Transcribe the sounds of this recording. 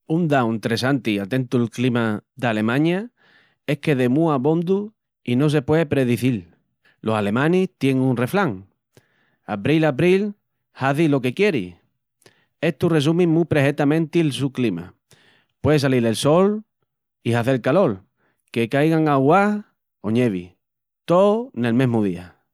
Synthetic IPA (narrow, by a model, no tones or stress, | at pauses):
und̪awnt̪ɾesant̪iat̪ẽ̞nt̪uelklimaðale̞mãɲa | e̞hke̞ðe̞muaβond̪u | ino̞s̬e̞pwe̞epɾe̞ðiθil | lo̞sale̞mãniht̪je̞ŋunre̞flaŋ | aβɾilaβɾil | haθilo̞ke̞kje̞ɾḭ | e̞ht̪ure̞s̬umĩŋmupɾe̞ɦe̞t̪amẽnt̪ilsuklima̰ | pwe̞ðesalile̞lso̞l | ihaθe̞lkalo̞l | ke̞kajɣaŋaɣwah | oɲe̞β̞ḭ | t̪one̞lmẽ̞ɦmuðia̰